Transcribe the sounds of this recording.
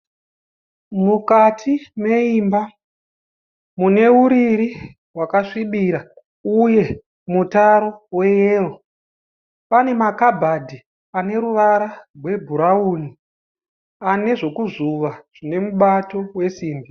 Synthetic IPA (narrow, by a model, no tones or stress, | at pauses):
mukatʰime̞imba | mune̞uɾiɾi | wakaʂiɓiɾa | uje̞ | mutaɾo̞we̞jeːro | pane̞makabʱadʱi | ane̞ɾuʋaɾarwe̞bʱuɾauni | ane̞ʐo̞kuzuʋaʐ̥ine̞muɓato̞we̞siːmbi